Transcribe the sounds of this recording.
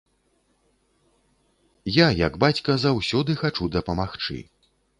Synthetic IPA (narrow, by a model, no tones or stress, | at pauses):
jajɐ̰ɡbat͡sʲkɐzawsʲɔd̪ɨxat͡ʂud̪ɐpɐmaxt͡ʂɨ̰